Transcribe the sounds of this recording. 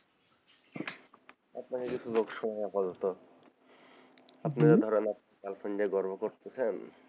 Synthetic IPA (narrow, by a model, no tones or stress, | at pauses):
apnakekit͡sʰuzoɡʃɔnaapazɔt̪o | apnead̪ʱɔɾenapnakalfʰond͡ʑaɡɔɾbʱokoɾt̪esʰen